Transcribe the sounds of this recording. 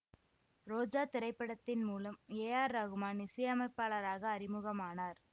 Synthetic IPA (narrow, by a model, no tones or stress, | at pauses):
ɾoːd͡ʒaːt̪ɪɾɐɪpːɐɽɐt̪ːɪnmuːlɐmeːjaːɾːɐɣɯmaːnɪsɐjɐmɐɪpːaːɭɐɾaːɣɐːɾɪmɯɣɐmaːnaːɾ